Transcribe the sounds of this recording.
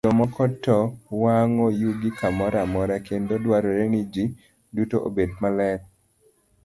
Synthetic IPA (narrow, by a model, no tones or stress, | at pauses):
ɔmɔkɔtːɔwaŋojuɡikamɔɾamɔɾakendodwaɾɔɾenid͡ʒi | dutoʔo̰bedmalɛk̚